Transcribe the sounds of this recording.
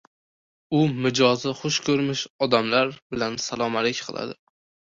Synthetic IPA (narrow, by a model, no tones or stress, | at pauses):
ʊmɪd͡ʒɒzɪχʊʃkʰɵɾmɪʃɒd̪amlaɾbɪlansalˠɒmalekʲqʰɨlˠa̰d̪ɪ